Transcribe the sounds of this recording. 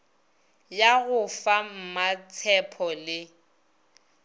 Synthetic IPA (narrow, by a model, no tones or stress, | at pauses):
jaɣʊfam̩mat͡sʰɛpʰɔlɪ